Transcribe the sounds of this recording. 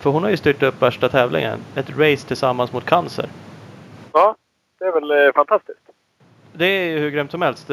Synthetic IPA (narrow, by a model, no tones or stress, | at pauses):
fœɾhʊnhaɾjɵst̪yːʈɵpːvæʂʈat̪ʰɛːvlʔɪ̰ŋə̰nɛt̪ɾɛɪst̪ʰɪlsamːansmʊt̪̚kʰansə̰ɾ | ɑː | d̪̥ɛævɛlfant̪ʰast̪ɪst̪ | d̪ɛjɵhɵɾɡɾœːmt̪sɔmhɛlst̪